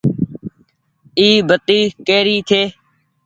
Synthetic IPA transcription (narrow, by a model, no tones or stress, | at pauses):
iːbʱət̪iːkeːɾiːt̪ʰeː